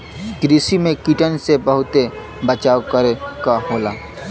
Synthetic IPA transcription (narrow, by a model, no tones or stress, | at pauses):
ɡɾisimẽkiʈənsebəɦʊt̪e | bət͡ʃaːokəɾekaɦoːlaː